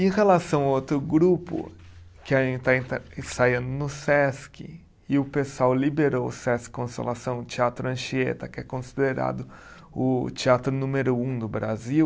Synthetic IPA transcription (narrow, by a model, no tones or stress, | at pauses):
ẽj̃helasɐ̃w̃awot̪ɾʊɡɾupʊ̰ | kɪaẽt̪aẽt̪saiɐ̃nd̪ʊnʊsɛskɪ̰ | ɪʊpesuawlibeɾowʊsɛskkõsḛlasɐ̃w̃ʊt͡ʃiat̪ɾʊɐ̃ʃiḛt̪ɐkɪɛkõsid̪eɾa̰d̪ʊ | ʊt͡ʃiat̪ɾʊnũmeɾʊũd̪ʊbɾaziw